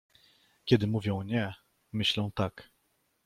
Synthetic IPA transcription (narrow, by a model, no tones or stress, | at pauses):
kʲɛd̪ɘmuvʲjɔ̃w̃ɲɛ | mɘɕlɛ̃w̃t̪ak